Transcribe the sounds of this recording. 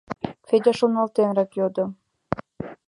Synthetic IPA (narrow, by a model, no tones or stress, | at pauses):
fed̪ʲɑʃonɑlt̪enɾɑkjod̪o